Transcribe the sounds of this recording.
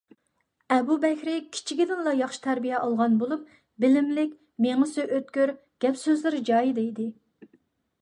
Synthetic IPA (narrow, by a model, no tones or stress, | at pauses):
ɛbubɛkʲɾɪkʲʰi̥t͡ʃʰiɡʲid̪ɪnlˠɑjɑχʃi̥t̪ʰæɾbijɛʔɑlˠʁɑnbolˠup̚ | bɪlɪmlɪkʲ | meŋɨsyʔøt̪kʲyɾ | ɡ̥ʲɛpsøzlɪɾd͡ʒɑːjid̪ejd̪ɪ